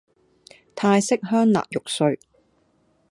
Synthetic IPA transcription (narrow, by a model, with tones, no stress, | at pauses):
t̪ʰaː˧jsɪ˥k̚ɦœː˥ŋla̰ː˨k̚jʊ˨k̚sɵ˧ɥ